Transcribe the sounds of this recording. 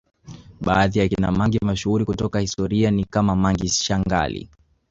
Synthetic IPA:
ɓaːðijakina̰maŋɡimaʃuuɾikutɔkahistɔɾianikamamaŋɡiʃaŋɡa̰lḭ

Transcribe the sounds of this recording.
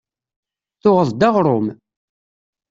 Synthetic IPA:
θʊʁəðˤd̪ɑʁɾˤʊm

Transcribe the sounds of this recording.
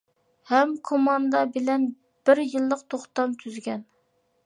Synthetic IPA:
hɛmkʰomɑnd̪ɑbɪlɛn | b̥ɪɾjɨlˠːəqt̪ʰoχt̪ɑmt̪ʰyzɡʲɛn

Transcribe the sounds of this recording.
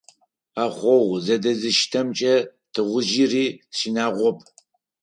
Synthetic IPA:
aːχʷɔʁzɐdɐzɨʃtʰɐmt͡ʃʼɐ | tʰɨʁʷʊʒiriːɕinaːʁʷɔpʰʼ

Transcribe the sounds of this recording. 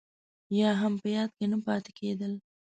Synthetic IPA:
jɑɦampəjɑd̪̚kenəpɑt̪e̥kʰed̪əl

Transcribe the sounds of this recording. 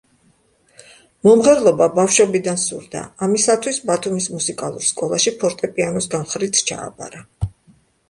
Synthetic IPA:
mɔmʁɛɾlˠɔbabafʃɔbid̪ansṵɾd̪a̰ːmisat̪ʰwisbat̪ʰumismusikʼalˠṵɾskʼɔlˠaʃipʰɔɾt̪ʼɛpʼianɔsɡamχɾit̪sʰt͡ʃʰa̰ːbʼa̰ɾa

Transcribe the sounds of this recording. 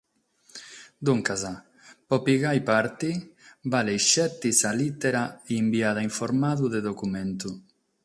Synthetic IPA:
d̪uŋkaza | pɔpiɣajpaɾt̪ibalejʃɛt̪ːisalit̪eɾaːmbiaðaiɱfoɾmaðuðeðokument̪u

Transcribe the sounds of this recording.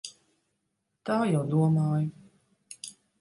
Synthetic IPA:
t̪aːjawd̪uɔmaːju

